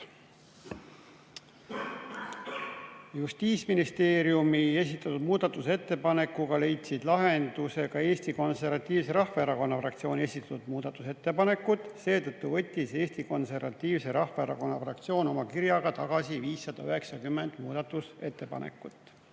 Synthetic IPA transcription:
just̪iːt̪sminist̪e̞ːɾjumiesʲit̪ːˑɑt̪ud̪̥muːd̪̥ɑt̪ːˑuse̞t̪ːe̞pɑne̞kːuɡ̥ɑle̞jt̪sid̪̥lɑɦe̞nd̪̥use̞ɡɑe̞ːst̪iko̞nse̞rvɑt̪ʲːˑiːvse̞ɾɑhfɑeɾɑko̞nːɑfrɑk̚t̪sio̞ːne̞sit̪ːˑɑ̥t̪ud̪̥muːd̪̥ɑt̪ːˑuse̞t̪ːe̞pɑne̞kːut̪ːˑse̞ːt̪ɤt̪ːuvɤ̞t̪ʲːise̞ːst̪iko̞nse̞rvɑt̪ʲːˑiːvse̞ɾɑhfɑeɾɑ̰ko̞nːɑfrɑk̚t̪sio̞ːno̞mɑkiɾjɑɡ̥ɑt̪ɑɡ̥ɑsiviːsːɑd̪̥ɑyɦe̞ksɑkymːe̞nd̪̥muːd̪̥ɑt̪ːˑuse̞t̪ːe̞pɑ̰nʔḛkːˑut̪ːˑ

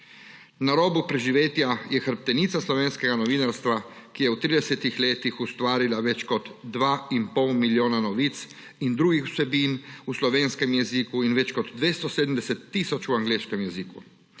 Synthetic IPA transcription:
naɾoːbupɾɛʒiʋeːt̪jajɛxəɾp̚t̪ɛniːt̪saslɔʋeːnskɛɡanɔʋiːnaɾst̪ʋa | kijɛut̪ɾiːd̪ɛsɛt̪ixlʲeːt̪ixust̪ʋaːɾilaʋɛt͡ʃkɔd̪ːʋaːinpɔwmiljoːnanɔʋiːt̪s | ind̪ɾuːɡixu̥sɛbiːnuslɔʋeːnskɛmjɛzikuinʋɛt͡ʃkɔd̪d̪ʋeːst̪ɔseːd̪m̩d̪ɛsɛt̪ːiːsɔt͡ʃuaŋɡleːʃkɛmjɛziku

